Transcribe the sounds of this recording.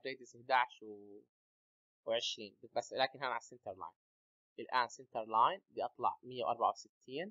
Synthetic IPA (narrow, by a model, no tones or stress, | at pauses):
bɾeːd̪ɪsɪhd̪aːʕʃwɪ | wʕɪʃɾiːnbɪt̪̚baslaːkɪnɦanaʕasːɪnt̪ɑɾˤlɑ̰ːjn | ʔɪlʔaːnsɪnt̪ɑɾˤlɑːjnbiʔɑt̪ˤlɑ̰ʕmɪjːawʔɑɾˤbaʕawsɪt̪ʰːiːn